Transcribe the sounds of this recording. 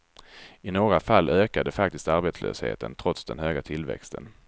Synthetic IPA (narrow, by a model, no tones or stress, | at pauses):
ɪnoːɡɾafalːøːkad̪əfak̚t̪ɪst̪aɾbɛːt̪slø̰ːshḛːt̪ənt̪ʰɾɔt̪sd̪ɛnhøːɡat̪ʰɪlvɛ̰kst̪ʰən